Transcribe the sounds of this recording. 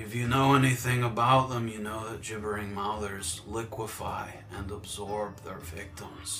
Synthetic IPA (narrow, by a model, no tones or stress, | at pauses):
ɨfjɨnoʊɛniθɪ̃ŋəbaʊt̪̚ðə̃mjɨnoʊðɨt̚d̥ʒ̥ɪbə˞ɪ̃ŋmʌðə˞zlɪkʰwəfa̰ɪ | ɨ̃nəbzɔɹb̚ðə˞vɪk̚tə̃mz̥